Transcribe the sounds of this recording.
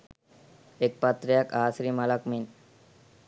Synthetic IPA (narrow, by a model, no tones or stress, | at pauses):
ek̚pat̪ɾijakaːsɾimalakmin